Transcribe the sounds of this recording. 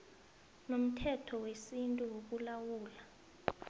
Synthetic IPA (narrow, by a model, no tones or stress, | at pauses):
nom̩tʰɛtʰɔwesintʼuwok̬ulawuːla